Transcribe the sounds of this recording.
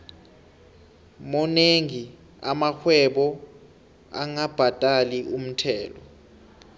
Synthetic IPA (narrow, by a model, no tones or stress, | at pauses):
mɔneŋi | amaxʰwɛɓɔ | a̰ŋab̥ʱatʼaliʔum̩tʰɛːlɔ